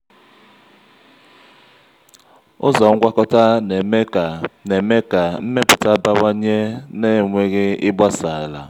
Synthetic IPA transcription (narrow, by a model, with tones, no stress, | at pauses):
u˦za˨u˦ɡwa˦kɔ˦ta˦nɛ˨˦a˨nɛ˨mɛ˦ɡ̥a˨m̩˦mɛ˦pu˨ta˦ba˦wa˦ɲɛ˦nɛ˦˨mwe˦kɛ˦i˦ba˦saː˨la˨